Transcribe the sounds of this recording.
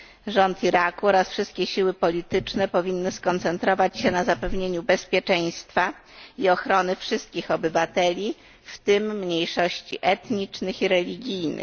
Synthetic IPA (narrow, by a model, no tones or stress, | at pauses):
ʐɔnt̪iɾakuɔɾasfʂɘst̪̚kʲɛɕiwɘpɔlʲit̪ɘt͡ʂnɛpɔvʲinːɘskɔnt̪sɛnt̪ɾɔvat͡ɕɕɛnazapɛvɲeɲubɛspʲjɛt͡ʂɛj̃st̪fa | iɔxɾɔnɘfʂɘst̪̚kʲixɔbɘvat̪ɛlʲi | ft̪ɘmːɲejʂɔɕt͡ɕḭʔɛt̪ɲit͡ʂnɘxiɾɛlʲiɡʲijnɘ̰x